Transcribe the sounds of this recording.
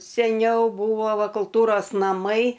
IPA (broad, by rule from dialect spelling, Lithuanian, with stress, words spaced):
sʲɛˈnʲɛʊ ˈbuːʋoː ˈʋɐ kʊlˠˈtuːroːs nɐˈmɐɪ